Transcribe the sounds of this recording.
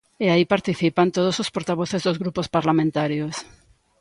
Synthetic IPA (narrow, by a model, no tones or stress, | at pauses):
eaipaɾt̪iθipant̪oð̞osospoɾt̪aβoθezðozɣɾupospaɾlamẽnt̪aɾjos